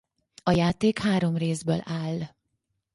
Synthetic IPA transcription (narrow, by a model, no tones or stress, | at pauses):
ɒjaːt̪eːkhaːɾo̞mreːzbø̰ːlaːlː